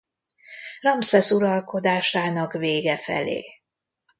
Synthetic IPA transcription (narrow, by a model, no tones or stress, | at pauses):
rɒmsɛsuɾɒlko̞d̪aːʃaːnɒkveːɡɛfɛ̰lḛː